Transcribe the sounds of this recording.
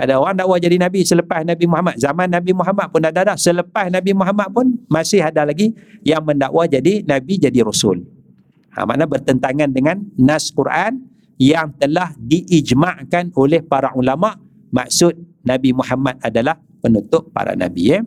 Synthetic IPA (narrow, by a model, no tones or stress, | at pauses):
adaoɾaŋdaʔwad͡ʒadinabisələpasnabimuɦamat̪̚zamanːabimuɦamat̪̚pʊndadadahsələpasnabimuɦamat̪̚pʊnmasɪhadalaɡijaŋməndaʔwad͡ʒadinabid͡ʒadiɾosʊ̰l | a̰ma̰nabərt̪ənt̪aŋandəŋanːaskuɾʔan | jaŋt̪əlahdiʔid͡ʒmaʔkanolɛhpaɾaʔulamaʔ | ma̰k̚sʊt̪̚nabimuhamat̪̚adalah | pənut̪ʊʔ̚pa̰ɾa̰na̰bḭ